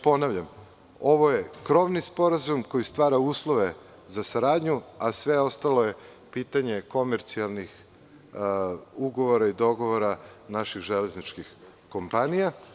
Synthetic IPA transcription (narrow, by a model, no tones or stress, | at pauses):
po̞naʋʎam | o̞ʋo̞je̞kɾo̞ʋnispo̞ɾazumko̞jist̪ʋaːɾauːslˠo̞ʋe̞ | zasaɾaːd̪ɲuasʋe̞o̞st̪alo̞je̞ | pit̪aɲe̞ko̞meɾt̪sialˠnix | uɡo̞ʋoɾaid̪o̞ɡo̞ʋoɾanaʃixʒeleznit͡ʃkix | ko̞mpanija